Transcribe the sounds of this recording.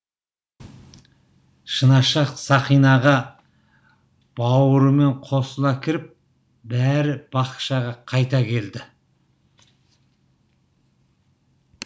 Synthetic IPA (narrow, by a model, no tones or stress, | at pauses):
ʃənɑʃɑqsɑχijnɑʁɑ | b̥ɑwəɾəme̞ɴqʰo̞səlˠɑkʲʰɪɾɪp̚ | bæɾɪb̥ɑqʃɑʁɑqʰɑjt̪ɑkʲʰe̞ld̪ɪ